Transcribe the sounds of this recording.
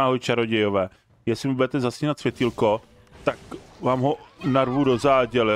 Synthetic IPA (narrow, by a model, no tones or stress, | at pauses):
aːɦojt͡ʃaɾoɟɛjovɛː | jɛsɪmɪbudɛt̪ɛzasciːnat̪svjɛt̪ilko | t̪akvaːmɦo̞naɾvudo̞zaːɟɛlɪ